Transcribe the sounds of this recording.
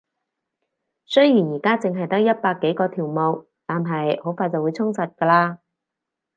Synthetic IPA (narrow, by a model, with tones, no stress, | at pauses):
sɵ˥ɥjiː˨˩njiː˨˩kaː˥t͡sɪ˨ŋɦɐ˨jt̪ɐ˦˥k̚jɐ˥t̚paː˧kːe˨˥jkɔː˧t̪ʰiː˨˩wmo˨˧w | t̪aː˨nɦɐ˨jho˨˥wfaː˧t͡sɐ˨wu˨˧jt͡sʰʊ˥ŋsɐ˨t̚kɐː˧laː˧